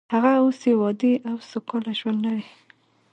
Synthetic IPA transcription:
haɣaosewɑd̪eʔawsʊkɑlaʒwand̪laɾi

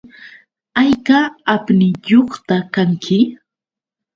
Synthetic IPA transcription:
ajkaapnɪjoχt̪akaŋkʰɪ

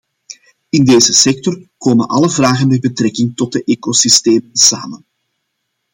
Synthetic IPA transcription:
ɪndeːzəsɛk̚tɔrkoːmənʔɑ̰ləvraːɣənmɛbətrɛkɪŋtɔt̚dəʔeːkosisteːmənsa̰ːmən

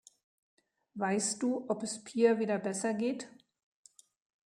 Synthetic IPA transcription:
vaɪstd̥uːʔɔpɛspʰiːɐviːdɐbɛsɐɡeːt

